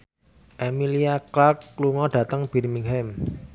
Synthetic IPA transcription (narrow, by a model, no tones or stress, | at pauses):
ʔɛmiliaklakluŋɔɖ̥ä̤t̪əŋb̥i̤ɾmiŋɦɛm